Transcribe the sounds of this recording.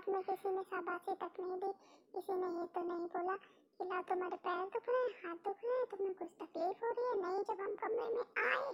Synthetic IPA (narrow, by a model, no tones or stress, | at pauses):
t̪ʊmẽkɪsimẽsabaːt͡ʃʰit̪ɐknɐɦĩbʱiɪsimẽjeːt̪onɐɦĩboːla | kɪlaːt̪ʊmaːɾepɛːɾd̪ʊkʰɾehaːt̪d̪ʊkʰɾẽt̪ʊmẽkʊt͡ʃʰt̪ɐkliːfɦoɾiɛnɐɦĩd͡ʒɐbɦɐmkɐmːemẽaːe